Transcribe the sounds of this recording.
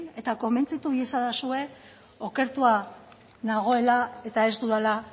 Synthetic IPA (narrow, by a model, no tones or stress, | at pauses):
ne̞t̪ako̞me̞nt͡sit̪uβesaðasue̞ | o̞ke̞ɾt̪ua | naɣ̞o̞e̞lae̞t̪ae̞st̪uðala